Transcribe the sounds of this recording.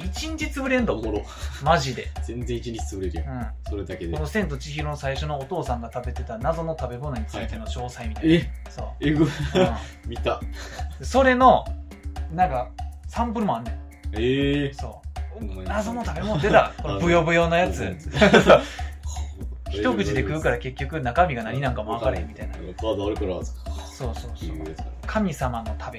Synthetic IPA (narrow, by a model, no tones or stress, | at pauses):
it͡ɕĩɲ̟t͡ɕit͡sɨbɯɾẽ̞nd̪oɾ | maʑid̪e̞zẽnzẽit͡ɕiɲt͡ɕi̥t͡sɨbɯɾeɾɯ̟̃ɴsoɾed̪aked̪kono̞sẽ̞nt̪ot͡ɕiçiɾo̞nosaiɕo̞no̞ːt̪o̞ːsãŋɡat̪abe̞t̪e̞t̪anazo̞no̞t̪abe̞mo̞noɲ̟it͡sɨit̪e̞noɕo̞ːsaimʲit̪aso̰ː | ɯ̃ | mʲit̪ad̪eso̞ɾe̞no̞ | nãŋkasãmpɯ̟ɾɯ̟moãnːẽj | eso̞̰ːnazo̞no̞t̪abe̞mond̪et̪akonobɯ̟jo̞bɯjo̞ːnojat͡sɨ | çit̪o̞kɯ̟t͡ɕid̪ekɯ̟ɯ̟kaɾake̞kʲːo̞kɯ̟nakamʲiɡanaɲ̟inãŋkamoakaɾemʲːit̪ainaɾkɾso̞ːsoːsoɡ̪eskkʰamʲisamano̞t̪ʰabe